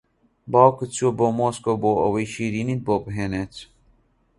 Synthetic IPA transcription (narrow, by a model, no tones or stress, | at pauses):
bawkət͡sʰoboːmoːskoboːɐ̰wijʃiɾinit̪̚boːpɦeːnet͡s